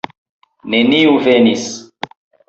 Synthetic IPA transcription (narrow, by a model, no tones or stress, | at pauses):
neniuvenis